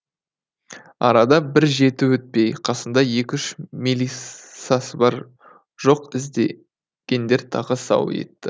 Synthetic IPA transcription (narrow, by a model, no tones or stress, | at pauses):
ɑ̰ɾɑd̪ɑbɪɾʒe̞t̪ɪwɵt̪̚pe̞jqʰɑsənd̪ɑje̞kʲʏʃmilisɑsəbɑɾ | ʒ̥o̞qɪzd̪e | ɡʲe̞nd̪e̞ɾt̪ʰɑʁəsɑ̰wḛt̪ːɪ